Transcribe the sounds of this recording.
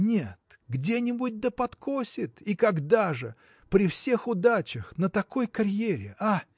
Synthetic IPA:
nʲet̪ | ɡdʲenʲɪbʊt̚ʲd̪əpɐt̪kʰosʲɪt̪ikɐɡd̪aʐɨ | pɾʲɪfsʲe̞xʊd̪at͡ɕəxnət̪ɐko̞jkɐɾʲjeɾʲɪ̰ʔa

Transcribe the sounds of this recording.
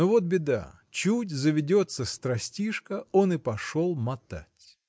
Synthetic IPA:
ovo̞t̪̚bʲɪd̪a̰ | t͡ɕutʲzəvʲɪdʲot̪səst̪ɾɐsʲtʲiʂkəo̞nɨpɐʂolˠmɐt̪a̰tʲ

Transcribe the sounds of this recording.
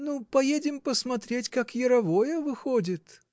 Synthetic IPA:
nupɐjedʲɪmpəsmɐt̪ɾʲetʲkakjɪɾɐvojəvɨxodʲɪt̪

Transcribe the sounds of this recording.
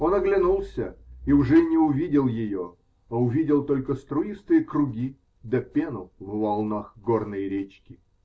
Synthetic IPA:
o̞nɐɡlʲɪnulˠsʲəiʊʐɛnʲɪʊvʲidʲɪlˠjɪjo | aʊvʲidʲɪlˠt̪o̞lʲkəst̪ɾʊist̪ɨjəkɾʊɡʲi | d̪ɐpʲenʊvvɐlˠnaxɡornəjɾʲet͡ɕkʲɪ

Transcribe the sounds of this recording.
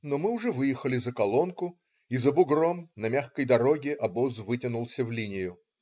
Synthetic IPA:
nomɨʊʐɛvɨjɪxəlʲɪzəkɐlˠo̞nkʊ | izəbʊɡɾomnɐmʲaxkəjd̪ɐɾo̞ɡʲɪʔɐbozvɨtʲɪnʊlˠsʲəvlʲinʲɪjʊ

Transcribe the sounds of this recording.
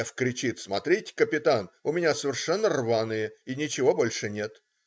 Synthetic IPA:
fkɾʲɪt͡ɕit̪smɐt̪ɾʲitʲkəpʲɪt̪anʊmʲɪnʲasəvʲɪrʂɛnːərvanɨjəinʲɪt͡ɕɪvo̞bolʲʂɨnʲe̞t̪

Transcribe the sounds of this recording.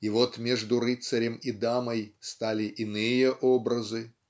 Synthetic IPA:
ivot̪mʲeʐd̪ʊɾɨt̪sɐɾʲɪmid̪aməjst̪alʲɪʔɪnɨjəʔobɾɐzɨ

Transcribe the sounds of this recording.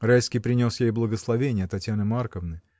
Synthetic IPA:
rajskʲijpɾʲɪnʲo̞sjejblˠəɡəslˠɐvʲenʲɪjət̪ɐtʲjanɨmarkəvnɨ

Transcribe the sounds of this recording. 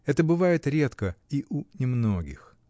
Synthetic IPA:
ɛt̪əbɨvajɪt̪ɾʲe̞t̪kəiʔunʲɪmnoɡʲɪ̰x

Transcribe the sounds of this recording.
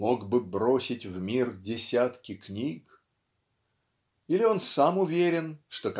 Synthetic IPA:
o̞ɡbɨbɾo̞sʲɪtʲvmʲirdʲɪsʲat̪kʲɪknʲik | ilʲɪo̞nsamʊvʲeɾʲɪnʂt̪o̞k

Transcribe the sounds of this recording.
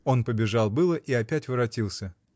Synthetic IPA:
o̞npəbʲɪʐɑlˠbɨlˠəʔiɐpʲætʲvɨɾɐtʲilˠsʲə

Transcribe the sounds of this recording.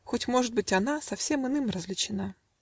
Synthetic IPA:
xotʲmo̞ʐɨt̪̚bɨtʲɐnasɐfsʲe̞mɨnɨmrɐzlʲɪt͡ɕɪna

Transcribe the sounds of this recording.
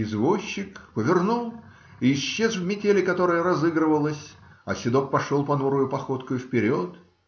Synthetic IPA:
ɪzvoɕːɪkpəvʲɪrnulˠ | iːɕːezvmʲɪtʲelʲɪkɐt̪o̞ɾəjəɾɐzɨɡɾəvəlˠəsʲ | ɐsʲɪd̪oppɐʂolˠpɐnuɾʊjʊpɐxo̞t̪kʊjʊfpʲɪɾʲo̞t̪

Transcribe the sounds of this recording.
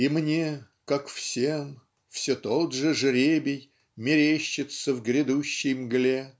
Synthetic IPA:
imnʲe | kakfsʲem | fsʲot̪od̪ʐɨʐɾʲebʲɪj | mʲɪɾʲeɕːɪt̪səvɡɾʲɪd̪uɕːɪjmɡlʲe

